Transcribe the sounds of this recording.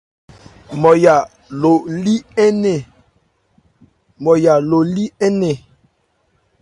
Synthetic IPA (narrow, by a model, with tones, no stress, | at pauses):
mɔ˨ja˨ | lo˨li˦ɛ˦nɛ˨ | mɔ˨ja˨lo˨li˦ɛ˦nɛ˨